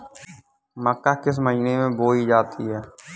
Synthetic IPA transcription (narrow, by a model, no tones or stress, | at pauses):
məkːakɪs̬məd͡ʒnemẽboːid͡ʒaːt̪ʰiɦɛː